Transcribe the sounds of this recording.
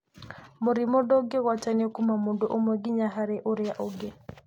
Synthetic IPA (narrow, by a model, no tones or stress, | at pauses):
moɾimɔdɔɡeɣwataniɔkumamondoʔomɛɡɪɲaɦaɾɛʔoɾjaʔoɡe